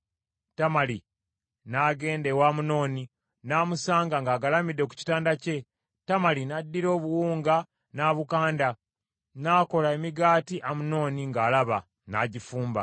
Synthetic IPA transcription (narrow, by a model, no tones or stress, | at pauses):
tamali | naɡe̞ːnde̞waːmuno̞ːni | namusaːŋɡaŋɡaːɡalamidːeku̥ci̥taːndace̞ | tamalinadːiɾo̞ːβuwuːŋɡa | naːβukaːnda | naːko̞laemiɡaːtiʔamuno̞ːniŋɡaːlaβa | naɟifuːmba̰